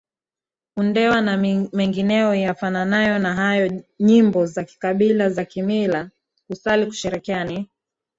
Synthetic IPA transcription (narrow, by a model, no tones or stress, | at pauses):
undɛwanamɛŋɡinɛɔjafananajɔnaɦajɔɲimbɔzaki̥kaɓilazakimila | kusaliku̥ʃɛɾɛkiani